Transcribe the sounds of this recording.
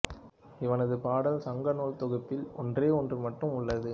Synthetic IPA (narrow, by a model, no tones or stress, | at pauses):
ɪʋɐnɐðɯpaːɽɐlsɐŋɡɐnoːɭt̪ɔɣɐpːɪlɔndreːɔndrɯmɐʈːɯmʊɭːɐðɯ